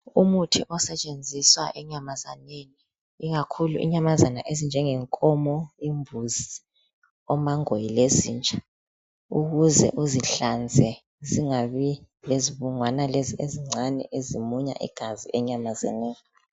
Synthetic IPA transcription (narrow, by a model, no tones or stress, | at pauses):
umutʰiʔɔsɛt͡ʃʼend͡zʱiswaʔɛɲamaza̰neniː | ɣ̬akʰuluʔḭɲamazana̰ʔezind͡ʒʱɛŋɛŋkʼɔmɔimbʱuzi | ɔmaŋojilezḭːnt͡ʃʼa | uɣuzɛ̰ʔuziɬand͡zʱɛ | ziŋaɓi | leziɓuŋwanalezieziŋ͡ǀʱanɛ̰ʔezimuɲa̰ʔḭɡ̥ʱaziʔɛɲamaza̰nɛːni